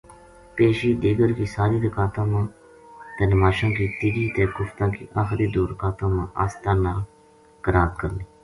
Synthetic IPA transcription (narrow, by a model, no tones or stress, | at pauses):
peːʃiːd̪iːɡəɾkiːsaːɾiːd̪əkaːt̪ãːmãː | t̪ɛːnəmaːʃãːkiːt̪iːɡiːt̪ɛːkʊft̪ãːkiːʔaːxɾiːd̪uːɾkaːt̪ãːmãːʔa̰ːst̪aːnaː | kəɾaːt̪kəɾniː